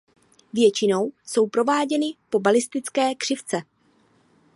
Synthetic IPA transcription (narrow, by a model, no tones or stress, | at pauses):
vjɛt͡ʃɪno̞wso̞wpɾo̞vaːɟɛnɪpo̞balɪst̪ɪt͡skɛːkr̥ɪft͡sɛ